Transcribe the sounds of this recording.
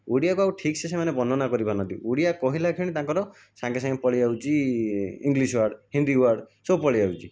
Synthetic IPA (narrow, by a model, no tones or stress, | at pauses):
uɽijakuawʈʰiksʰesemanebɔnɔnakɔɾibanɔ̃nt̪ḭuɽijakɔɦilakʰiɽ̃it̪ãŋkɔɾɔ | sãŋkesãŋpɔɭiawt͡ʃʰi | iŋɡliswaɾɖɦind̪iwaɾɖsopɔɭiawt͡ʃʰi